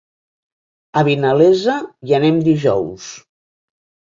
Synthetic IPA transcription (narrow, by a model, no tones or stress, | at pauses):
aβinalezajanemd̪iʒɔ̰ws